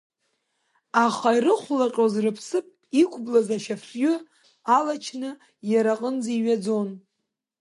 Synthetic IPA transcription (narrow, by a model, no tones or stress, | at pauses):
aχairɨχʷlaqʲʼozrɨpʰsɨpʼ | ikʷʰʼblazaʃafjʏ | alat͡ʃʰnɨ | jaɾaqʼənd͡ziɥad͡zon